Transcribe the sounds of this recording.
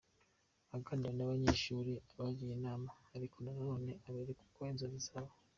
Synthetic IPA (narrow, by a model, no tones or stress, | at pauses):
aɡandanaβaɲeːʃuːɾiaβaɟijinaːmaaɾikʰonananoːne̞ʔaβeɾeku̥kwoenzozizaβa